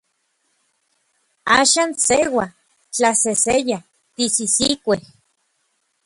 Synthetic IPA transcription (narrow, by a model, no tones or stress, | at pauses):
aːʃaːnsewa | t͡ɬaseseja | t̪isisikʷeh